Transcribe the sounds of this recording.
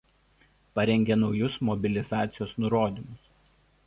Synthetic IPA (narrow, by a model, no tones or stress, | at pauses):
pɐɾʲɛŋʲɡʲenɒʊjʊsmɔbʲɪlʲɪzɑːt̪sʲɪjoːsnʊɾoːd̪ʲimʊs